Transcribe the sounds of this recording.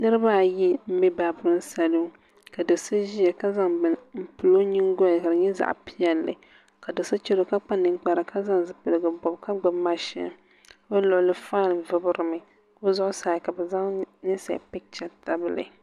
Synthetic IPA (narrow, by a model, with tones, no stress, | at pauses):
nɨ˦ɾɨ˦ba˦˨ji˦m̩˦bi˦ba˨bʊ˦ɾɨ˦n˦sa˨lu˦ | ka˨do˨sa˦ʒi˦ɛ˨ka˦za˦ŋbɨ˨nm̩˦˨pɨ˨lo˦ɲi˦ŋɡo˦˨lka˨dɨ˨ɲɛ˦za̰˨ʔpi˦jɛ˨lːɨ̰˨ | ka˨do˨sa˦t͡ʃɛ˦lo˨˦ka˦k͡pa˦nɨ˨ŋk͡pa˨ɾa˨ka˦za˦ŋzɨ˨pɨ˨lɨ˨ɡɨ˨bɔ˨bka˦ɡ͡bʊ˨bma˦ʃɪ̰˦n˨ | bo˦lʊ˨ʔlɨ˦faː˦˨lvɨ˦bʊ˦ɾɨ˨mɨ˨ | ko˦zʊ˦ʔʊ˦saː˨ka˨bɛ˨za˦ŋnɨ˦sa̰˨pɪ˦k̚t͡ʃa˦ta˦bɨ˦lɨ̰˨